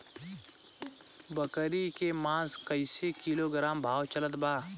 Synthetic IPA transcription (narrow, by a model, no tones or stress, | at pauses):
bəkəɾikemãːskəɪsekiːloɡɾaːmbʱaːwt͡ʃələt̪baː